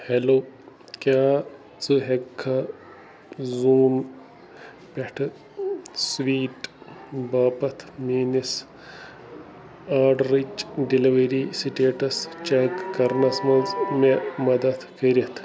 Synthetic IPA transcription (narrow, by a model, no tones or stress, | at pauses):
heloː | kjaː | t͡sɨɦekʰːɐ | zuːn | peʈʰɨ | sʋiːʈbaːpɐt̪ʰmiːnis | aːɖɾid͡ʒɖiliʋɐɾiːsiʈeːʈɐst͡ʃɐkːɐɾnɐsmɐlzmemɐd̪ɐt̪ʰkɐɾit̪ʰ